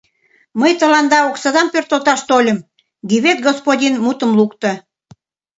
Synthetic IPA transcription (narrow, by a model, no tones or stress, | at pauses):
məjt̪ə̆lɑnd̪ɑoksə̆d̪ɑmpørt̪əlt̪ɑʃt̪olʲə̆m | ɡiβet̪ɡospodʲinmut̪ə̆mlukt̪ə̆